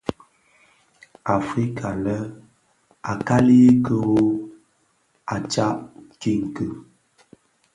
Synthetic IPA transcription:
a˨fɾi˦kʰa˨lə˦ | a˨ka˦li˦kə˦wo˦ | a˨t͡ʃa˦ʔki˦˨ŋ̩˨kə˨

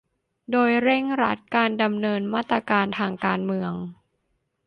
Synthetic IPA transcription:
doː˧jɾe˥˩ŋɾa̰˦˥t̪̚kaː˧nda˧mnɤː˧nmaː˥˩t̪ːɾa˧kaː˧nt̪ʰaː˧ŋkaː˧nmɯ˧əŋ

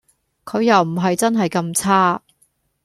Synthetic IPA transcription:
kʰɵ˨˧ɥjɐ˨wm̩˨˩ɦɐ˨jt͡sɐ˥nɦɐ˨jkɐ˧mt͡sʰaː˥

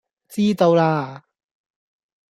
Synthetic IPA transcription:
t͡siː˥t̪o˧wlaː˧

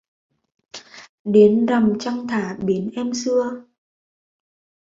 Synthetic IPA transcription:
ɗe˨˦nza˨˩mt͡ɕa˧wŋ͡mt̪ʰaː˧˩ɓi˨˦ənʔɛ˧msɨ˧ə

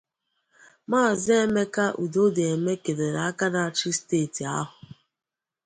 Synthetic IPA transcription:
maː˦˨zɪ˦e˦me˦ka˦ʔu˨do˦de˨e˨me˦ke˨de˨na˨a˦ka˦na˨t͡ʃi˦steː˦˨ti˨a̰˦ɦʊ˨

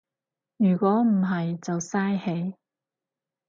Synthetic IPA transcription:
jyː˨˩kʷɔː˨˥m̩˨˩ɦɐ˨jt͡sɐ˨wsaː˥jhe˨˥j

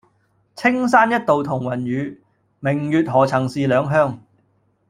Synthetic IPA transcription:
t͡sʰɪ˥ŋsaː˥njɐ˥t̚t̪o˨wt̪ʰʊ˨˩ŋwɐ˨˩njyː˨˧ | mɪ˨˩ŋjyː˨t̚ɦɔː˨˩t͡sʰɐ˨˩ŋsiː˨˧lœː˨˧ŋɦœː˥ŋ

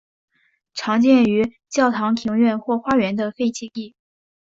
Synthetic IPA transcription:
ʈ͡ʂʰɑ˧˥ŋt͡ɕjɛ˥˩ny˧˥ | t͡ɕjɑ˥˩ʊt̪ʰɑ˧˥ŋt̪ʰi˧˥ŋɥɛ˥˧nxwɔ˥˩xwa˥ɥɛ˧˥nd̪ə˧fe˥˧ɪt͡ɕʰi˥˧ki˥˩

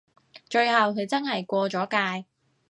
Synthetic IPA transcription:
t͡ʃɵ˧ɥhɐ˨wkʰɵ˨˧ɥt͡sɐ˥nhɐ˨jkʷɔː˧t͡ʃɔː˨˥kaː˧j

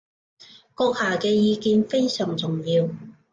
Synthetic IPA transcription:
kɔː˧k̚haː˨˩kɛː˧jiː˨˧kiː˧nfe˥jsœː˨˩ŋt͡sʊ˨˩ŋjiː˧w

